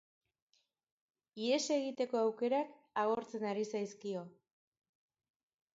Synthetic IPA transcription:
ie̞se̞ɣit̪e̞ko̞awke̞ɾak | aɣo̞ɾt͡se̞naɾisajskio̞

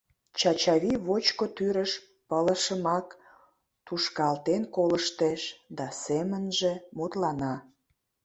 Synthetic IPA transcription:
t͡ɕɑt͡ɕɑβiβot͡ɕkot̪yɾəʃ | pələʃəmɑk | t̪uʃkɑlt̪enkoləʃt̪eʃd̪ɑsemənʒemut̪lɑnɑ

